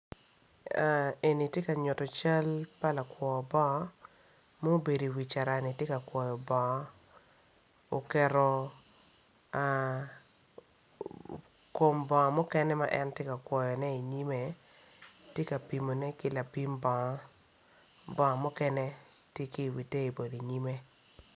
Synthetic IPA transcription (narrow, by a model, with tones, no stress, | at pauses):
a˨e˨ni˨tje˦ka˨ɲʊ˨tɔ˨t͡ʃa˦lpa˦la˨kwʷɔ˨bɔ˦ | mɔ˦o˦be˨di˨wi˨t͡ʃa˨ɾa˨nɪ˨tje˦ka˨kwɔ˨jɔ˨bɔ˨ŋɔ˦ | o˨kɛ˨ɾɔ˨ | a˨ | ko˨mbɔ˨ŋɔ˨mɔ˦kɛ˦nɛ˦ma̰˦ʔɛ˦ntje˦ka˨kwɔ˨jɔ˨nɛ˦i˨ɲi˦me˨ | tje˦ka˨pi˨mo˨nɛ˦kɪ˦la˨pi˦mbɔ˨ŋɔ˦ | bɔ˨ŋɔ˨mɔ˦kɛ˦nɛ˦ | tje˦ki˦˨wi˨te˦i˨bo˨di˨ɲi˦me˦